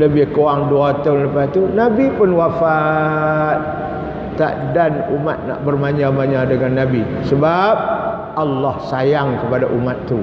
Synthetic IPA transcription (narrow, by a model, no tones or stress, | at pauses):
ləbɪhkoaŋduat̪ʊnləpast̪unabipʊnwafa | t̪̚ː | a̰ʔdanuma̰t̪̚na̰ʔbərmaɲamaɲadəŋanːabi | səbap̚ | ʔalːahsajaŋkəpadaʔumat̪ːu